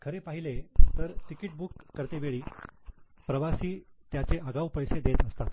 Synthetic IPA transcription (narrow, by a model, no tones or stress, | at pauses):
kʰəɾepaɦilet̪əɾʈ̪ikiʈ̚bukːəɾt̪eʋeɭiː | pɾəʋasiːt̪jat͡seʔəɡaʋpəjsed̪et̪əst̪at̪